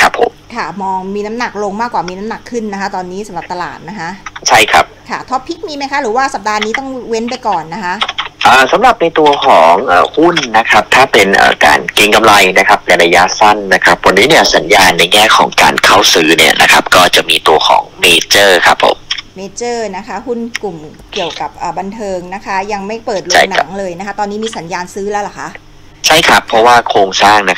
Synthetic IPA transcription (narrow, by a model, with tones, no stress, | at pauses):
kʰɾa˦˥pʰːo̰˨˩˦mkʰa˥˩mɔː˧ŋmiː˧na˦˥mna˨˩k̚lo˧ŋmaː˥˩kwaː˨˩miː˧na˦˥mna˨˩kʰːɯ˥˩nːa˦˥kʰa˦˥t̪ɔː˧nːiː˦˥sa˩˦mɾa˨˩p̚t̪a˧la̰ː˨˩t̪̚na˦˥kʰa˦˥ʔt͡ɕʰa˥˩jkʰɾa̰˦˥p̚kʰa˦˥˩t̪ʰɔ˦˥pʰːi˦˥k̚miː˧ma˦˥jkʰa˦˥ɾɯː˩˦waː˥˩sa˨˩p̚daː˧niː˦˥t̪ɔ˥˩ŋwe˦˥npa˧jjkɔː˨˩nːa˦˥kʰa˦˥ʔʔaː˨˩sa˨˦mɾa˨˩p̚na˧jt̪u˧ɐkʰɔː˩˦ŋʔaː˨˩hu˥˩nːa˦˥kʰɾa˦˥p̚t̪ʰaː˥˩pe˧nʔə̰ː˨˩ka̰ː˧nki˧ŋka˧mla˧jna˦˥kʰa˦˥p̚lɛ˧˩ɾa˧ja˦˥sa˥˩nːa˦˥kʰa˦˥p̚wa˧nːiː˦˥ni˥˩əsa˩˦njaː˧nːa˧jŋɛː˥˩kʰɔ̰ː˩˦ŋka̰ː˧nkʰa˥˩wsɯː˦˥nḭ˥˩ɐnʔa̰˦˥kʰa˦˥p̚kɔː˥˩t͡ɕa˨˩ʔmiː˧t̪u˧ɐkʰɔ̰ː˩˦ŋmeː˧t͡ɕɤː˥˩kʰa˦˥pʰːo̰˨˩˦mmeː˧t͡ɕɤː˥˩na˦˥kʰa˦˥hu˥˩nku˨˩m | ki˨˩əwka˨˩p̚ʔaː˨˩ba˧nt̪ʰɤː˧ŋna˦˥kʰa˦˥ja˧ŋma˥˩jpɤː˨˩t̪̚loa˥˩ŋna˨˩˦ŋlɤː˧jna˦˥kʰa˦˥t̪ɔː˧nːiː˦˥miː˧sa˩˦njaː˧nsɯː˦˥lɛː˦˥wla˨˩kʰa˦˥ʔ | t͡ɕʰa˥˩jkʰa˦˥pʰːɔ˦˥waː˥˩kʰoː˧ŋsaː˥˩ŋna˦˥k